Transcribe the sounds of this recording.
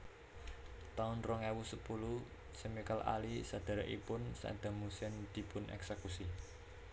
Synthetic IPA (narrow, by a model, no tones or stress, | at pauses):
t̪aʊnrɔŋɛwusəpulu | semikalʔa̰lisad̪̥a̤ɾaʔḭpʊnsa̰ʔd̪̥a̤musiɛnd̪̥i̤pʊnʔɛ̰ksekusi